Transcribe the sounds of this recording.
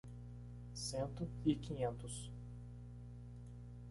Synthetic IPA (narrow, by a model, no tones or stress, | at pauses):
sẽnt̪ʊikĩɲẽnt̪ʊs